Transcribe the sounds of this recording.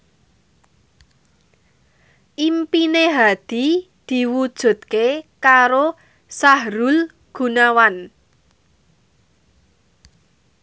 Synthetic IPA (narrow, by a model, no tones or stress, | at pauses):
ʔimpineɦad̪̥i̤ | d̪̥i̤wud̥ʒ̥ṳt̪̚kekaɾo | saɦɾul | ɡ̥ṳnawan